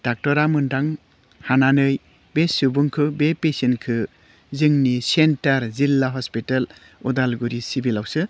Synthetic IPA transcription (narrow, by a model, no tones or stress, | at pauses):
d̥ak̚tɔɾamɯndaŋ | hananɯj | besubuŋkʰɯbepesinkʰɯ | zɯŋnisentaɾzilːaɦɔspital | udalɡuɾisibilawsɯ